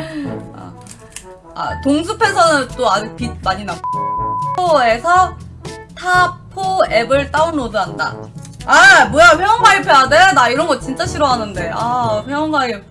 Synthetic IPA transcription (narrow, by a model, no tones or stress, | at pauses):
a̰ | a̰toŋsʰupʰe̞sʰʌnɯnt͈oad͡ʑpimaɲinapʰoe̞sʰʌ | tʰapʰoe̞bɯɭt͈aunodɯɦanda̰ | amʌjaɸjʌʌŋbaipʰeadenaiɾʌnɡʌt̚t͡ɕ͈int͡ɕ͈aɕʰiɾʌɦanɯnde̞aɸjʌʌŋbai